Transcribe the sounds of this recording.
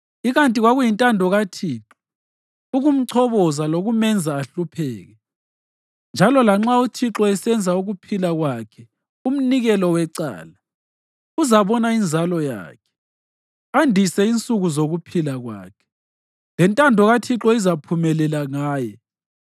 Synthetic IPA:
iɣantʼiɣwaɣujintʼandʱɔɣatʰiːǁɔ | uɣum̩ǀʰɔβɔzaloɣumɛnd͡zʱaːɬupʰɛːɣɛ | nd͡ʒʱalɔlaŋ͡ǁautʰiǁɔɛsɛnd͡zʱauɣupʰilaɣwakʰɛ | um̩niɣɛlɔwɛǀa̰ːla | uzaβɔnaind͡zʱalɔja̰ːkʰɛ̥ | andʱisɛint͡sʼuɣuzoɣupʰilaɣwa̰ːkʰɛ̥ | lɛntʼandʱɔɣatʰiǁɔizapʰumɛlɛlaŋaːjɛ

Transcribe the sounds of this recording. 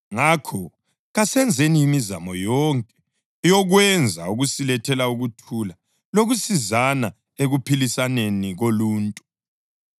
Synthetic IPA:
ŋakʰɔ | ɣasɛnd͡zʱeniimiza̰mɔjɔŋkʼɛ̥ | jɔɣwɛnd͡zʱauɣusilɛtʰɛlauɣutʰula | loɣusizana | eɣupʰilisaneniɣoluːntʼu

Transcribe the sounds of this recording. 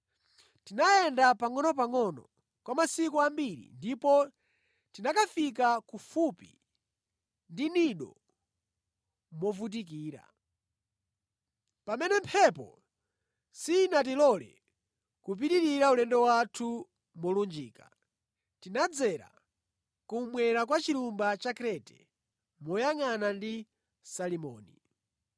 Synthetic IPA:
tinajɛndapaŋɔnɔp̬aŋɔnɔ | kwamasikuambiɾḭndipɔ | tinakafik̬akufupḭ | ndiniɗɔ̰ | mɔvut̬ik̬iːɾa̰ | pamɛnɛmpʰɛpɔ̰ | sinat̬ilɔlɛ̰ | kup̬itiɾiɾaulɛndɔwatʰu | mɔlund͡ʒiːka | tinad͡zɛɾa̰ | kumwɛɾak̬wat͡ʃiɾumbat͡ʃakɾɛtɛ̥̰ | mɔjaŋanandi | salimɔːni

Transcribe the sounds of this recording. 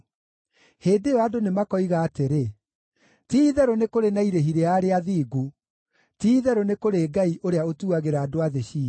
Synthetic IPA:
heːdeɔadonemakɔiɣaːteɾe | tiːðɛɾɔnekoɾenaiɾeɦiɾeaɾeaðiːɡu | tiːðɛɾɔnekoɾeːɡaiʔoɾeaotuaɣeɾaːdoaðeɕiː

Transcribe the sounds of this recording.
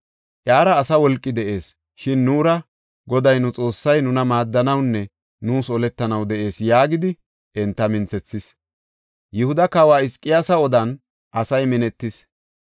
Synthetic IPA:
ʔjaːɾɐːsɐwɔlkʼːɪd̪ɛʔe̞ːs | ʃɪnːuːɾɐ | ɡɔd̪ɐjnʊt͡sʼo̞ːsːɐjnʊnɐmaːd̪ːɐnɐwnːɛ | nuːsɔlɛt̪ːɐnɐwd̪ɛʔe̞ːsjaːɡɪd̪ɪ | ɛnt̪ːɐmɪnt͡sɛt͡sːɪs | jɪhʊd̪ɐkaːwaːɪskʼːɪjaːsɐɔd̪ɐn | ʔɐsɐjmɛnɛt̪ːɪs

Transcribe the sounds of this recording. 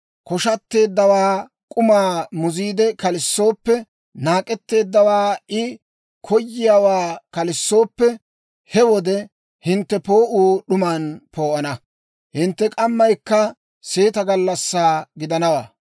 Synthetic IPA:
kɔʃɐt̪ːe̞ːd̪ːɐwaː | kʼʊmaːmʊziːd̪ɛkɐlɪsːo̞ːpːɛ | naːkʼɛt̪ːe̞ːd̪ːɐwaːɪ | kʰɔjːɪjaːwaːkɐlɪsːo̞ːpːɛ | hɛwɔd̪ɛ | hɪnt̪ːɛpo̞ːʔuːɗʊmaːnpo̞ːʔɐnɐ | hɪnt̪ːɛkʼɐmːɐjkːɐ | se̞ːt̪ɐɡɐlːɐsːaːɡɪd̪ɐnɐwa̰ː

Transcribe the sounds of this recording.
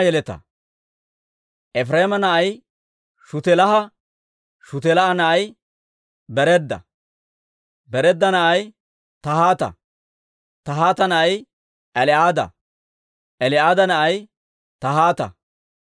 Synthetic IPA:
jɛlɛt̪ɐ̰ | ʔɛfɾeːmɐnɐʔɐj | ʃʊt̪ɛlɐɦɐ | ʃʊt̪ɛlɐʔɐnɐʔɐj | bɛɾɛd̪ːɐ̰ | bɛɾɛd̪ːɐnɐʔɐj | t̪ɐɦaːt̪ɐ̰ | t̪ɐɦaːt̪ɐnɐʔɐj | ʔɛlɪʔaːd̪ɐ̰ | ʔɛlɪaːd̪ɐnɐʔɐj | t̪ɐɦaːt̪ɐ̰

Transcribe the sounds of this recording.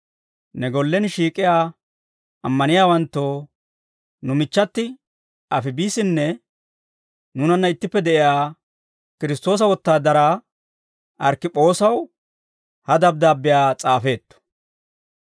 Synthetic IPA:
nɛɡɔlːɛnʃiːkʼɪjaː | ʔɐmːɐnɪjaːwɐnt̪ːoː | nʊmɪt͡ʃːɐt̪ːɪ | ɐfɪbiːsɪnːɛ | nʊnɐnːɐɪt̪ːɪpːɛd̪ɛʔɪjaː | kɪɾɪst̪o̞ːs̬ɐwɔt̪ːaːd̪ɐɾa | ʔɐɾkːɪpʼo̞ːsɐw | hɐd̪ɐb̚d̪aːbːɪjaːt͡sʼaːfe̞ːt̪ːɔ̥

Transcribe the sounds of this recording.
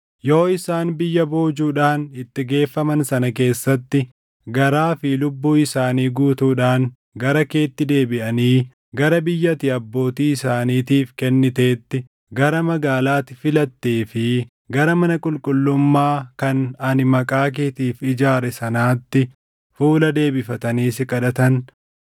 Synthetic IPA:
jo̞ːɪsaːnbɪjːɐbo̞ːd͡ʒuːᶑaːnɪt̪ːɪɡe̞ːfːɐmɐnsɐnɐke̞ːsːɐt̪ːɪ | ɡɐɾaːfɪlʊbːuːɪsaːniːɡuːt̪uːᶑaːŋ | ɡɐɾɐke̞ːt̪ːɪd̪e̞ːbɪʔɐniː | ɡɐɾɐbɪjːɐt̪ɪɐbːo̞ːt̪iːɪsaːniːt̪iːfkɛnːɪt̪e̞ːt̪ːɪ | ɡɐɾɐmɐɡaːlaːt̪ːɪ̥fɪlɐt̪ːeːfɪ | ɡɐɾɐmɐnɐkʼʊlkʼʊlːʊmːaːkɐnɐnɪmɐkʼaːk̬eːt̪iːfɪd͡ʒaːɾɛsɐnaːt̪ːɪ | fuːlɐd̪e̞ːbɪfɐt̪ɐniːsɪkʼɐᶑ̪ɐt̪ɐn

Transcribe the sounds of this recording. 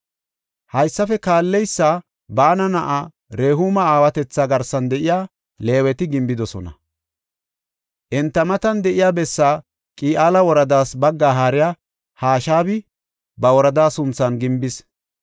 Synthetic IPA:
hɐjsːɐfɛkaːlːɛjsːaː | baːnɐnɐʔaː | ɾe̞ːɦumɐaːwɐt̪ɛt͡sːaːɡɐɾsɐnd̪ɛʔɪjaː | le̞ːwɛt̪ɪɡɪmbɪd̪ɔsɔ̰nɐ̰ | ʔɛnt̪ːɐmɐt̪ɐnd̪ɛʔɪjaːbɛsːaː | kʼiːʔaːlɐwɔɾɐd̪aːsbɐɡːaːɦaːɾɪjaː | haːʃaːbɪ | bɐwɔɾɐd̪aːsʊnt͡sːɐnɡɪmbɪs

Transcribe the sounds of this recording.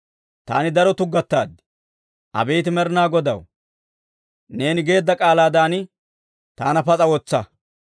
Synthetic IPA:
t̪a̰ːnɪd̪ɐɾɔt̪ʊɡːɐt̪ːaːd̪ɪ̥ | ʔɐ̰bejt̪ɪmɛɾɪnaːɡɔd̪ɐw | ne̞ːnɪɡe̞ːd̪ːɐkʼaːlaːd̪aːnɪ | t̪aːnɐpɐt͡sʼɐwɔt͡sːɐ

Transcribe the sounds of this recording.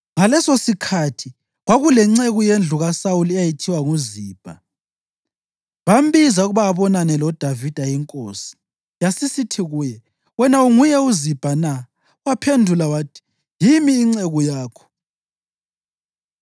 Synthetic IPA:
ŋalɛsosikʰatʰi | ɣwaɣulɛŋ͡ǀeɣujend͡ɮʱuɣasawulɛjajitʰiwaŋuziːb̥ʱa | βam̩bizauɣuβaːβɔnanɛlɔd̥ʱavid̥ʱajiŋkʼo̰ːsi̥ | jasisitʰiɣuːjɛ | wɛnauŋujɛuzib̥ʱana | wapʰendʱulawatʰi̥ | jimiːŋ͡ǀeɣujaːkʰɔ̥

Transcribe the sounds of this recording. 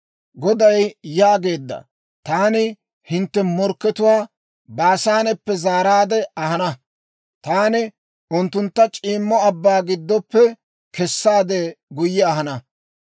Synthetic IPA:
ɡɔd̪ɐjjaːɡe̞ːd̪ːɐ̰ | t̪aːnɪ | hɪnt̪ːɛmɔɾkːɛt̪ʊwaː | baːsaːnɛpːɛzaːɾaːd̪ɛɐɦɐnɐ | t̪aːnɪ | ʔʊnt̪ːʊnt̪ːɐt͡ʃʼiːmːɔɐbːaːɡɪd̪ːɔpːɛ | kɛsːaːd̪ɛɡʊjːɛɐɦɐnɐ

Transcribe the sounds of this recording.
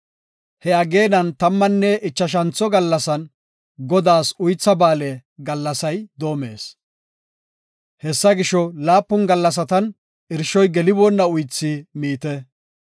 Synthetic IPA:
hɛɐɡe̞ːnɐnt̪ɐmːɐnːɛʔɪt͡ʃːɐʃ̬ɐnt͡sːɔɡɐlːɐsɐn | ɡɔd̪aːsʊjt͡sːɐbaːlɛɡɐlːɐsɐjd̪o̞ːme̞̰ːs | hɛsːɐɡɪʃɔlaːpːʊnɡɐlːɐs̬ɐt̪ɐn | ɪɾʃɔjɡɛlɪbɔnːɐʊjt͡sːimiːt̪ɛ

